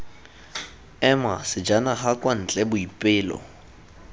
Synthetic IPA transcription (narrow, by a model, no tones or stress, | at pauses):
ɛma̰sɪd͡ʒanaχakʼwan̩t͡ɬʼɛbʊipʼɪːlɔ̰